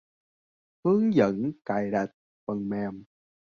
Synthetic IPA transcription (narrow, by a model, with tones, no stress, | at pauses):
hɨ˨˦əŋzə̰˧˥nka˨˧˩jɗa˨˩t̚ | fə˨˩ŋmɛː˨˩m